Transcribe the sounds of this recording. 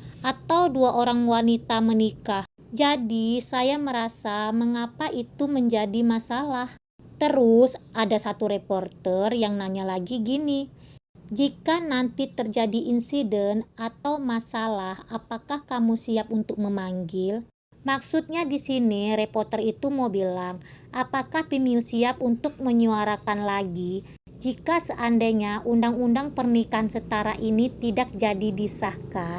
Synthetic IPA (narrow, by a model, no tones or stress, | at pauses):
ʔat̪awduaʔoɾaŋwanit̪amənikah | d͡ʒadisajaməɾasaməŋapaʔit̪uməɲd͡ʒadimasalah | t̪əɾʊsʔadasat̪uɾeport̪ərjaŋnaɲalaɡiɡini | d͡ʒikanant̪it̪ərd͡ʒadiʔinsidɛnat̪awmasalahapakahkamusiap̚unt̪ʊk̚məmaŋɡɪl | maksut̪̚ɲadisiniɾepɔrt̪ərit̪umobilaŋ | ʔapakahpimiusiap̚unt̪ʊk̚məɲuaɾakanlaɡi | d͡ʒikasəʔandaɲaʔundaŋundaŋpərnikansət̪aɾaʔinit̪idak̚d͡ʒadidisahka